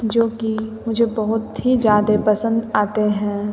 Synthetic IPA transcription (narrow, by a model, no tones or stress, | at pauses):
d͡ʒoːkimʊd͡ʒʱebɐɦʊt̪ɦid͡ʒjaːd̪epɐsə̃nd̪aːt̪eɦɛ̃ː